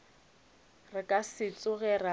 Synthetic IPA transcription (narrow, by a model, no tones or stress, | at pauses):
rɪkʼasɪt͡sʼʊɣɛra